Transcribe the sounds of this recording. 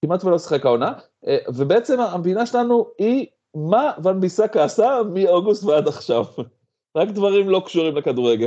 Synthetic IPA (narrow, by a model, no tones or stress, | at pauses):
kimat̪velo̞si̥χe̞kaona | ʔevebeet͡se̞maambinaʃelanui | mavanbisakaːsamio̞ɡust̪vead̪aχʃav | ʁakd̪vaʁimlo̞kʃuʁimlekad̪uʁe̞ɡel